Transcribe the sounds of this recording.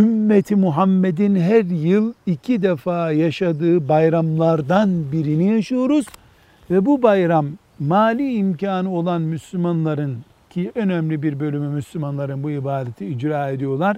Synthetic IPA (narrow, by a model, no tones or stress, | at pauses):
ymːet̪ʰimuɦamːed̪inɦæɾjɯlˠicʰid̪efaːjaʃad̪ɯːbajɾamlˠaɾd̪anbiɾinijaʃɯjo̞ɾuz̥ | vɛbubajɾamː | aːlʲiːimcaːnɯo̞lˠanmyslʲymanlˠaɾɯn | cʰiʔø̞næmlʲibiɾbø̞lʲymymyslʲymanlˠaɾɯnbuibaːd̪et̪ʰiːd͡ʒɾaːe̞d̪ijo̞lˠaɾ̥